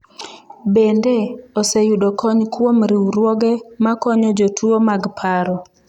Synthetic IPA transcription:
bendeosejuɗokʰɔɲkwomɾiwɾwoɡɛmakɔɲɔd͡ʒotʰuomaɡpʰaɾɔ

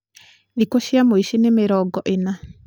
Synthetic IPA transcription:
ðikoʃiamoiʃinemeɾɔɡɔʔena

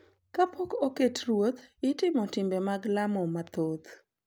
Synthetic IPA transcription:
kapokoketɾwot̪ɪtɪmɔtɪmbemaɡlamɔmat̪ot̪

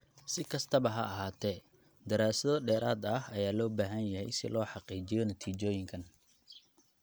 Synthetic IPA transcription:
sɪkʰɐst̪ʰɐβɐɦɐɐɦaːt̪ʰɛː | d̪ɐɾaːsɐðɔɖɛːɾaːd̪ɐhɐjaːlɔːbaːɦɐnjɐɦɛjsɪ̰lɔːħɑqiːt͡ʃɪjɔnɐt̪ʰiːt͡ʃɔːjɪŋkʰɐn

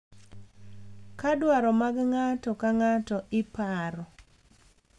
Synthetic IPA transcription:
kadwaɾɔmaɡŋatɔkaŋatɔʔɪpaɾɔ

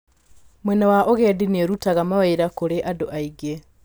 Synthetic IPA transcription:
mwɛnawaʔoɣɛdineɾutaɣamaweiɾakoɾeʔadoʔaiɡe

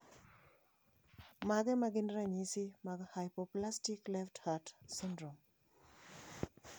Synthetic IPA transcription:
maɡemaɡinɾaɲisimaɡehajpoplastiklefthatsindɾɔm

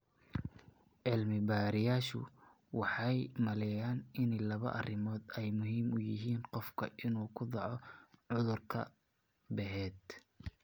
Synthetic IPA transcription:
ʔɪlmɪbaːɾɪjaːʃʊ̰ | wɑħɑjmɐlɛjaːnɪnɛlɐβɐ̰ʔɐrɪmɔːd̪ɛjmʊɦiːmʊjɪɦiːnqɔfkʰɐ̰ʔɪnuːkʰʊd̪ɑʕɔʕʊðʊrkʰɐ̰ | bɛɦɛːd̪

